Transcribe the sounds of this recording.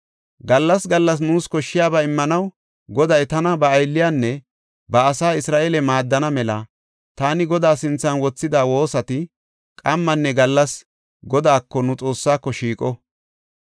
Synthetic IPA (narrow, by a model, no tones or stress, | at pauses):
ɡɐlːɐsɡɐlːɐs̬nuːskɔʃːɪjaːbɐɪmːɐnɐw | ɡɔd̪ɐjt̪ɐnɐbɐːjlːɪjaːnːɛ | bɐːsaːɪsɾaːʔeːlɛmaːd̪ːɐnɐmɛlɐ | t̪aːnɪɡɔd̪aːsɪnt͡sːɐnwɔt͡sːɪd̪aːwo̞ːsɐt̪ɪ | kʼɐmːɐnːɛɡɐlːɐs | ɡɔd̪aːkːɔnʊt͡sʼo̞ːsːaːkːɔʃiːkʼɔ